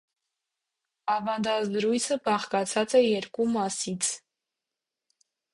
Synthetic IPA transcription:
ɑvɑnd̪ɑzəɾujt͡sʰəbɑχkɑt͡sʰɑt͡sɛjɛɾkumɑsit͡sʰ

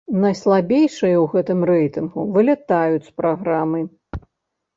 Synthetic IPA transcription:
nɐjslˠabʲejʂɨjɐwɣɛt̪ɨmrɛjt̪ɨnɣuvɨlʲɛt̪ajut͡sʲspɾaɣɾamɨ

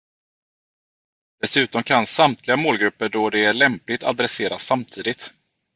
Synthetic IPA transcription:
d̪̥ɛsʉ̟ːt̪ɔmkʰansamt̪ʰlɪɡamoːlɡɾɵpːəɖɔd̪ɛæɭɛmplɪt̪ʰa̰d̪ɾɛseːɾasːamt̪ʰiːd̪ɪt̪

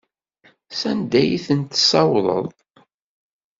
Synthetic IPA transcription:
sænd̪æjiθənt̪sɑwlˤə̰ðˤ

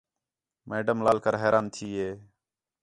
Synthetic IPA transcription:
meːɖəmlaːlkəɾɦeːɾʔaːnt̪ʰiːɦeː

